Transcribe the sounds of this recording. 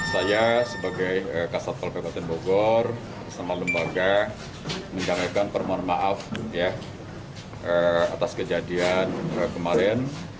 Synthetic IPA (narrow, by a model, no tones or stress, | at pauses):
sajasəbaɡajəkasat̪̚palpabat̪ɛnboɡɔr | rsamaləmbaɡa | məɲd͡ʒaŋakanpərmanmaʔafja | ʔəa̰t̪askəd͡ʒadianəkəmaɾɛn